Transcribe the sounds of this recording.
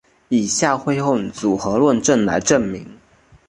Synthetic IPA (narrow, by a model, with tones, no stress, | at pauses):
i˨˩ɕja˥˩xwe˥ɪxo˥˩ŋt͡su˨˩xɤ˧˥lwə˥˧nʈ͡ʂə˥˩nla̰˧˥ɪʈ͡ʂə˥˩nmi˧˥ŋ